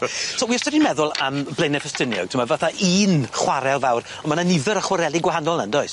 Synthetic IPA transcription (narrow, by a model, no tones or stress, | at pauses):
sʰowiɔstədinmɛðʊlˠəmblejnɛfəstɪnjɔ̰ɡ̚tʰɪmavaθaʔiːnχwaɾɛlˠvawr | ɔmananɪðəɾəχwaɾɛlˠiɡwaɦanɔlˠnəndɔɨs